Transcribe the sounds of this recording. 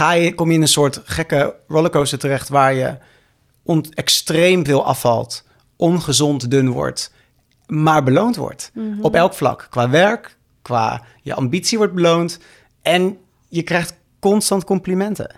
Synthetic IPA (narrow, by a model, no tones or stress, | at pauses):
χaːjəkɔmjəɪnənsʊːɹtχɛkəɹɔləkowsətərɛχtʋaːɹjə̰ | ʔɔnɛkstrejmvɪːlˠʔɑ̰fɑ̰lˠt | ʔɔnχəzɔntdɵnʋɔ̰ɹt | maːɹbəlowntʋɔ̰ɹtɔpɛlˠkflɑ̰kkːʋaːʋɛɹkː | ʋa̰ː | jə̰ɑmbitsiʋɔɹd̚bəlownt | ʔɛn | jəkrɛjχt | kɔnstɑntkɔmplimɛntə̰